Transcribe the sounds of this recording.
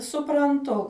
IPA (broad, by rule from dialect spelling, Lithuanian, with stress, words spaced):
sʊprɐnˈtʊ